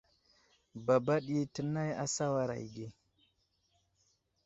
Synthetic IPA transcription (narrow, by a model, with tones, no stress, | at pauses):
ba˨ba˦ɗe˦tə˨na˦ja̰˨sa˦wa˦ɾa̰˨ji˨ɡe˦